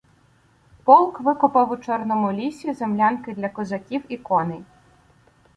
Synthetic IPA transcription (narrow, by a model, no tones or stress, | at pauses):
pɔlˠkʋɪkʊpɐwʊt͡ʃɔrnɔmʊlʲisʲizemlʲankɪd̪lʲɐkɔzɐkʲiwikɔnɪ